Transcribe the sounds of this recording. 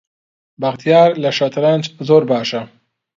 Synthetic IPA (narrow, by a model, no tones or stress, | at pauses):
bɐɣt̪ʰijaːɾlɐʃɐt̪ʰɾant͡ʃzoːɾbaːʃɐ